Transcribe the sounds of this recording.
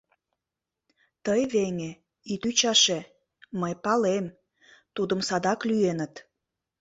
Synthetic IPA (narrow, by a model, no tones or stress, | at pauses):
t̪əjβeŋe | it̪yt͡ɕɑʃe | məjpɑlem | t̪ud̪əmsɑd̪ɑklyenət̪